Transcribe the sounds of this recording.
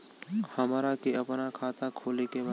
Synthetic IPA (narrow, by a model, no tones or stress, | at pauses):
hɐmːɾakeɐpnakʰaːt̪akʰoːlekebɐ